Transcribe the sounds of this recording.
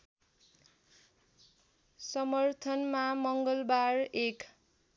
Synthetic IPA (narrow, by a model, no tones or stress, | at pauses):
sʌmʌrt̪ʰʌnmamʌŋɡʌlbarek